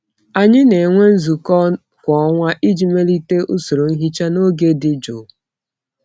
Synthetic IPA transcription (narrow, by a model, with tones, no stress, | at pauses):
a˨ɲɪ˦ne˨ŋʷe˦n̩˦zu˨kɔ˦ | kʷɔ˨˦ŋʷa˦ʔi˦d͡ʒi˨me˦li˦te˦ʔʊ˦so˨ɾo˨n̩˦ɦi˦t͡ʃa˦no˦ɡe˦dɪ˨d͡ʒo˨